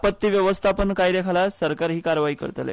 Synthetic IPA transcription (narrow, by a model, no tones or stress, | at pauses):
pət̪ːiːʋjəʋəst̪ʰapənkajd̪ekʰalasəɾkaɾɦiːkaɾʋaiːkə̰ɾt̪lḛ